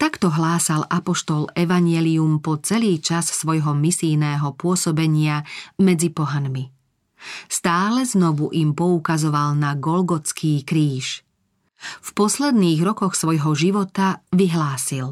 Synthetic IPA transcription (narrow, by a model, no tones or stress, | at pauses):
t̪akt̪ɔɦlaːsalʔapɔʃt̪ɔlɛʋaɲɪɛliumpɔt͡sɛliːt͡ʃassʋɔjɦɔmisijnɛːɦɔpʊɔsɔbɛɲɪamɛd͡zipɔɦanmi | st̪aːlɛznɔʋuʔimpɔukazɔʋalnaɡɔlɡɔt͡skʰiːkɾiːʃ | fpɔslɛd̪niːɣɾɔkɔxsʋɔjɦɔʒiʋɔt̪aʋiɦlaːsil